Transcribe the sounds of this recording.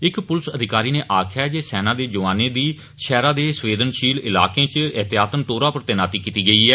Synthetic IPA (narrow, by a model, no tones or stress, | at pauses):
ɪkpʊlsəd̪ʱɪkaːɾiːneːʔaːkʰjaːd͡ʒeːsɛːnãːd̪eːd͡ʒʊʋaːneːd̪iː | ʃɛːɾãːd̪eːsʋeːd̪ənʃiːlɪla̰ːkẽːt͡ʃɪt̪ɪjaːt̪ənt̪oːɾãːpəɾt̪eːnaːt̪iːkiːt̪iːɡəiːɛː